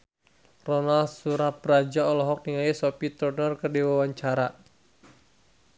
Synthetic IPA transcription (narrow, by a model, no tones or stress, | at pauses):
rɔnalsuɾabɾad͡ʒaɔlɔɦɔk̚niŋajisɔpit̪ɾɔnɔrkərdiwawaɲt͡ʃaɾa